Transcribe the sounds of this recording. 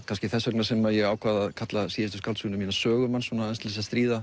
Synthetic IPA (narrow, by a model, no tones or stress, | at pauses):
kʰanscɪθɛsːœknasɛmajɛɣaːwkʰvaːðaðkʰat̪lasiːðɪst̪ʏskalsunʏmiːnasœːɣʏmansunaɛnst̪lɪs̬ast̪ɾiːða